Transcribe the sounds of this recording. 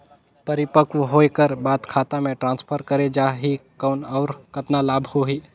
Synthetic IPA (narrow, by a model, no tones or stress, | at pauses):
pəɾɪpəkuwɦoːekəɾbaːt̪kʰaːt̪amẽʈɾãːnspʰəɾkəɾed͡ʒaːɦikɔːnɔːɾkɐt̪nalaːbʱhoɦiː